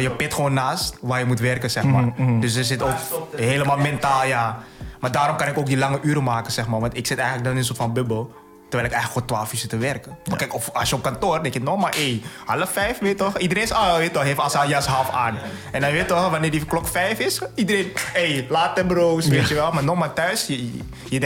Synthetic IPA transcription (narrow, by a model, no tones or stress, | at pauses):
jəpɪtxəʋoːnːaːstʋaːjəmutʋɛrkənsɛxmaːrddøs̬dərsɪtoːkɦeːləmaːlˠmɛntaːlˠjamaːdaːɾɔmkɑnɪkoːk̚dilɑŋəʔyːɾəmaːkənsɛxmaːrʋɑntɪksɪtɛjənlək̚dɔnɪnsoːtfɔnbøbəlˠ | tərɛɪlɪkɛjxələkːoːntʋaːlˠfisətəʋɛrkəɔnkɛjkɔfɑlˠsjəɔp̚kantoːrdɛkjɪnɔxmaːʔehaləfɛjfʋeːtɔxidəɾeːnsaʋeːtɔxɦeːftɑlsajasɦɑlfaːn | ɛndɑnʋeːtɔxʋanɪːrdiklɔkfɛjfɪsidəɾenejlaːt̚əbrowsʋeːtjəʋɛlmaːnɔxmaːtœɥsə | jəɛ